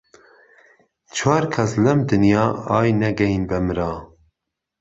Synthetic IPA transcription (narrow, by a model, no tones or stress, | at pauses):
t͡ʃʰwɑːɾkʰɛslɛmd̪ɨnjɑːɑːjnɛɡɛinbɛmɨɾɑː